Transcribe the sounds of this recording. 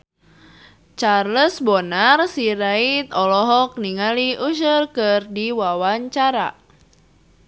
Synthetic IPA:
t͡ʃarləsbɔnarsiɾait̪ɔlɔɦɔk̚niŋaliʔuʃ̬ərkɨrdiwawaɲt͡ʃaɾa̰

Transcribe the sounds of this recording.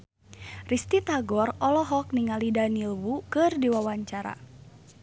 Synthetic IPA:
rist̪it̪aɡɔrɔlɔɦɔk̚niŋalidanilwukɨrdiwawaɲt͡ʃaɾa̰

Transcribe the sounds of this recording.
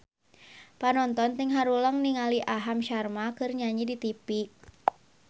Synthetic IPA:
panɔnt̪ɔnt̪iŋɦaɾuləŋniŋaliʔaɦamʃarmakɨrɲaɲidit̪ipi

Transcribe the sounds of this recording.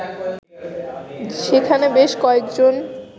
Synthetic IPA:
ʃekʰanebeʃkɔekd͡ʑon

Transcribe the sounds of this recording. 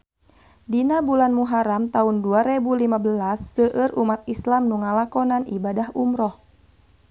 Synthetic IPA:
dinabulanmuɦaɾamt̪aunduaɾebulimabəlasːəʔəɾumat̪̚islamnuŋalakɔnanḭbadaɦumɾɔh

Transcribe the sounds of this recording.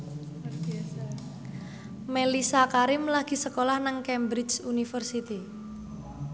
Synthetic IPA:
melisakaɾɪmlaɡ̥i̤səkolahnaŋkɛmbɾɪt͡ʃunifərsit̪i

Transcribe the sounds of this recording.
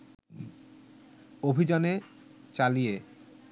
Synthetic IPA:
obʱid͡ʑane | t͡ɕalije

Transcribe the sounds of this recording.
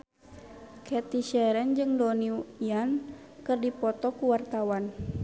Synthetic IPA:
kʰɛt̪iʃɛɾɛnd͡ʒɨŋdɔniujan | kɨrdipɔt̪ɔkuwart̪awan

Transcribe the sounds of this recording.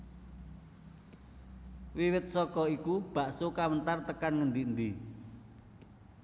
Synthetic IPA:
wiwɪt̪̚sɔkɔikub̥a̤ʔsokawənt̪art̪əkanŋənd̪ind̪i

